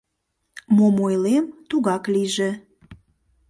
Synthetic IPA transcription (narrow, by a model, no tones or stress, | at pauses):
momojlemt̪uɣɑkliʒe